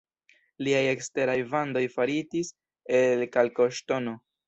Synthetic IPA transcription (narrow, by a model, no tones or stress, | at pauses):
liaje̞kste̞ɾajvando̞jfaɾitis | e̞lkalko̞ʃto̞no̞